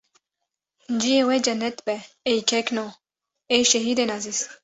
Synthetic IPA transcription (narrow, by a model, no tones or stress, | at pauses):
nd͡ʒijewed͡ʒɐnːɛt̪bɛː | jkʰekno | eʃeɦid̪enazis